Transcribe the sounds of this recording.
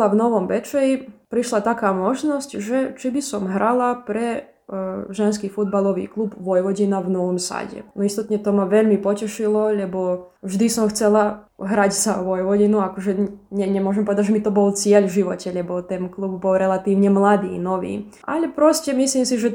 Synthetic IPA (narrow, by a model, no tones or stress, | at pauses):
lavnɔʋɔmbɛt͡ʃɛipɾiʃlat̪akaːmɔʒnɔscʒɛt͡ʃibisɔmɦɾalapɾɛ | ʒɛnskiːfud̪̚balɔʋḭːklˠubʋɔjʋɔɟinaʋnɔʋɔmsa̰ɟɛ̰nɔist̪ɔt̪ɲɛt̪ɔmaʋɛʎmipɔcɛʃilɔlɛbɔʒd̪isɔmxt͡sɛla | ɦɾaczaʋɔjʋɔɟinuakɔʒɛɲɛɲɛmʊɔʒɛmpɔʋɛd̪aɟʒɛmit̪ɔbɔlt͡sɪɛʎʒiʋɔcɛʎɛbɔt̪ɛnklubbɔlɾɛlat̪iːʊɲɛmlad̪ḭːnɔʋḭː | ʔa̰lɛpɾɔscɛmisliːmsiʒɛ